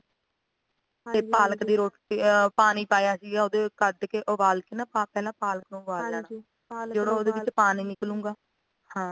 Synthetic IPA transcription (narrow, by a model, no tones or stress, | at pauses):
teːpaːləkd̪iːɾoːʈipaːniːpaːjaːsiːɡaːoːd̪eːkəd̪keʔoʋaːlkenãːpapɛːlãːpaːləknõːʋaːlaːn | d͡ʒeɽõːoːd̪eːʋɪt͡ʃpaːniːnɪklũːŋɡaː | hãː